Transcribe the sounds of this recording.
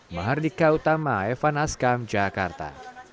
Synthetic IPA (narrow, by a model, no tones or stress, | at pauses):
maɦardikaut̪amaɛfanaskamd͡ʒakart̪a̰